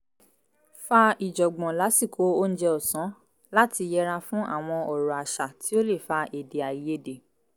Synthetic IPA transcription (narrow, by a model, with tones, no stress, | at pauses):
fa˧i˨d͡ʒɔ˨ɡ͡bɔ̃˨la˨˦si˦˨kʰo˨˦o˦n̩˦d͡ʒɛ˧ɔ˨sɔ̃˨˦ | la˦ti˧jɛ˦ɾa˧fũ˦ʔa̰˦˨w̃ɔ̃˧ɔ˨ɾɔ˨a˨ʃa˨tʰi˨˦o˦le˦˨fa˧ʔe˨de˨a˨i˨je˦de˨